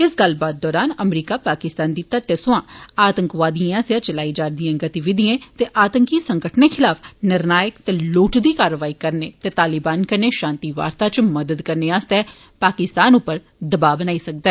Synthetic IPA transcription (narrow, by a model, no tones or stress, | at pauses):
ɪsɡəlbaːt̪̚d̪ɔːɾaːnəmɾiːkaːpaːkɪst̪aːnd̪iːt̪ːat̪eːsʊãːaːt̪əŋkʋaːd̪ijããːsɪjãːt͡ʃəlaːiːd͡ʒaːɾd̪ijãːɡət̪iʋɪd̪ɪjẽːt̪eːʔaːt̪əŋkiːsəŋɡəʈneːkʰɪlaːpʰnɪɾnaːjəkt̪eːloːʈd̪iːkaːɾəʋaːiːkəɾneːt̪eːt̪aːlɪbaːnkəɾneːʃãːnt̪iːʋa̰ːɾt̪aːt͡ʃməd̪əd̪kəɾneːaːst̪ɛː | paːkɪst̪aːnʊpːəɾ | d̪əbaːbənaːiːsək̚d̪aɛː